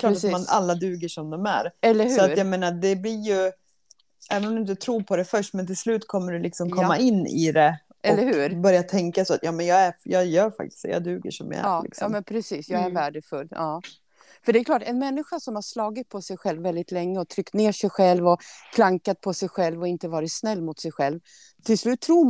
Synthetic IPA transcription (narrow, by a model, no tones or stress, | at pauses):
kʰlːɾsːmalːad̪ʉ̟ːɡəʂɔmd̪ɔmæ̰ɾɛlːəɾhsʉɔatɾjameːnad̪ɛblɪɾjɵ | æːvənɔmd̪ʊɪnt̪ət̪ʰɾuːɾpʰɔd̪ɛfœʂʈmɛnt̪ʰɪlslʉ̟ːt̪kʰɔmːəɖɛlɪksɔmkɔmːaɪnːɪ̰d̪ɛ | ʔɛlːəɾhʉ̟ːɾbœɾjat̪ʰɛŋkasɔat̪jɑːmɛnjɑːæjɑːjœːɾfa̰k̚t̪ɪ̥sd̪ɛ̰ja̰ːd̪ʉ̟ːɡə̰ʂɔmja̰æ̰ːlɪ̰ksjɔɑːmɛnpʰɾɛsiːsjɑːɡæɾvæːɖəfɵlːɑː | fœɖɛkʰlɑːʈɛnmɛnːɪɧasɔmhaʂlɑːɡɪt̪̚pʰɔsɛjɧɛlvːɛld̪ɪt̪lɛŋːəɔt̪ʰɾʏkt̪neːʂɛjɧɛlvɔkʰlaŋkat̪̚pʰɔsɛjɧɛlvɔɪnt̪əvɑːɾɪt̪snɛlːmʊt̪sɛjɧɛlv | t̪ʰɪlslʉ̟ːt̪ʰːɾuː